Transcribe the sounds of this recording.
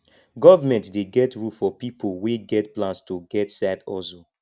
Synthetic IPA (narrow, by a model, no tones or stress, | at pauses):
ɡɔvamɛ̃ntdeɡɛtɹufɔpipʰoweɡɛtplãnstoɡɛtsadɔso